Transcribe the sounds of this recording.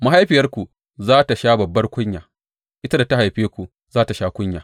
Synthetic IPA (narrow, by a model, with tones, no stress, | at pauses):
ma˦ɦa˦jɸɪ˨jɐ˦rkʷu˨ | zaː˦ta˨ʃaː˦bɐ˨bːɐ˦rkʷʊ˦ɲjaː˨ | ʔɪ˦ta˦da˨ta˦ɦa˨jɸeː˦kʷu˨ | zaː˦ta˨ʃaː˦kʷʊ˦ɲjaː˨